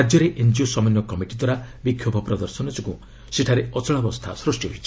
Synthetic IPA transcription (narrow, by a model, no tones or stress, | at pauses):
ɾad͡ʒjɔɾeʔend͡ʒiosɔmɔnjɔkɔmiʈid̪waɾabikʰjobʱɔpɾɔd̪ɔɾsɔnɔt͡ʃɔkũ | seʈʰaɾeɔt͡ʃɔɭabɔst̪ʰa̰sɾusʈjɔɦojt͡ʃʰi̥